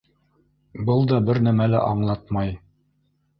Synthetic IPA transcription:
bɤlˠd̪ɑbɘɾnæmælæ̰ʔɑɴlˠɑt̪mɑj

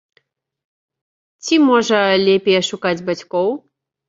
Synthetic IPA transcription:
t͡sʲimɔʐɐlʲɛpʲɛjɛʂukad͡zʲbat͡sʲkɔw

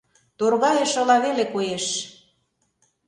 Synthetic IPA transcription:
t̪orɣɑjeʃɤ̆lɑβelekojeʃ

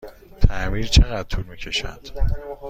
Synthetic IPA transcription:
t̪ʰæmiːɾt͡ʃʰeɣæd̪̚t̪ʰuːɾmiːcʰe̞ʃæ̰nd̪̥

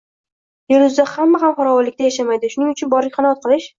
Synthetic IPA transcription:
jʊɾʊzd̪ahamːaɦamχɒɾawɒlːɪk̚ʲt̪ajaʃamajd̪ɪʃʊnɪŋʊt͡ʃʰʊnbɒɾlɪkʲχɑnaɒɒt̪̚qʰɨlˠɪʃ

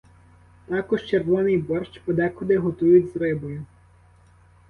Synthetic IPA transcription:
t̪ɑkɔʃt͡ʃerʋɔnɪjbɔrʃt͡ʃpɔd̪ɛkɔd̪ɪɦɔt̪ujʊtʲzrɪbɔjʊ

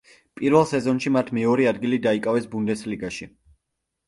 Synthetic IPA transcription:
pʼiɾvɛlˠsɛzɔnʃimat̪ʰmɛɔɾɛad̪ɡilid̪aikʼavɛsbund̪ɛsliɡaʃi

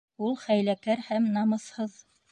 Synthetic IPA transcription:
ulˠχæjlækæɾhæmnɑmɤ̆shɤð

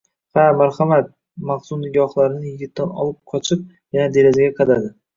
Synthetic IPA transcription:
hamaɾhamat̪̚ | maχsʊmnɪɡʲɒχlˠaɾɪnɪjɪɡʲɪt̪ʰːanɒ̰lˠɪp̚qʰɒt͡ʃʰɪp̚ | janad̪e̞ɾazaɡʲaqʰɑd̪ad̪ɪ

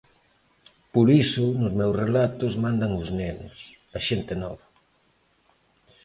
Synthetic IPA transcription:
poɾisʊnʊzmewsrelat̪ʊzmãnd̪aŋʊznenʊ̰s | ɐʃent̪enɔ̰βa

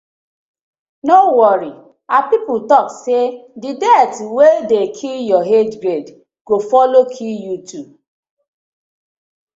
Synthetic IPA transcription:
nowɔɾi | apiputɔksedidɛtwedekʰijɔɦed͡ʒɡɾed | ɡ̥ofɔlokʰijutu

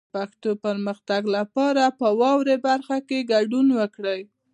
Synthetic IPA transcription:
paxt̪opəɾməxt̪aɡlapɑɾapəwɑwɾebaɾxakeɡaɖunwəkɽəj

